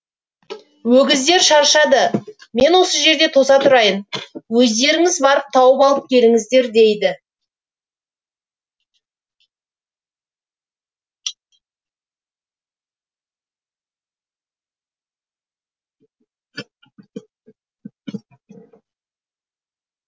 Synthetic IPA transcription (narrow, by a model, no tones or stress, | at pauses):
wɵɡʲɪzd̪e̞ɾʃɑɾʃɑd̪əme̞nwo̞səʒe̞ɾd̪e̞t̪ʰo̞sɑt̪ʰʊɾɑjənwɵzd̪e̞ɾɪŋɪzbɑɾəp̚t̪ʰɑwəpɑlˠəp̚kʲʰe̞lɪŋɪzd̪e̞ɾd̪e̞jd̪ɪ